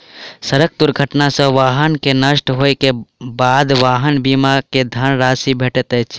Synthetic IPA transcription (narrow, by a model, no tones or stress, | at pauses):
səɾək̚d̪uɾɡʱəʈnasə̃ʋaːɦənkenəʃʈɦojkebad̪ʋaːɦənbimaked̪ʱənɾasibʱeʈɛt̪ɛt͡ʃʰ